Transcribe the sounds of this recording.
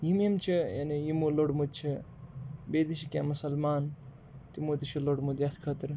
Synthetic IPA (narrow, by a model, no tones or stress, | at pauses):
jimemt͡ʃʰija̰nijimuloɽmud̪̚t͡ʃʰi | beːd̪iʃikʲamusɐlmaːn | t̪imoːt̪iʃʰiloɽmud̪jat̪ʰkʰɐt̪ɾ